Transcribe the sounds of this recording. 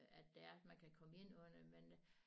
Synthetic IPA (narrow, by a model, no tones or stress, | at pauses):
æd̥ːeæɐmænkʰækʰɒ̽məe̝n̰ɔnɐmen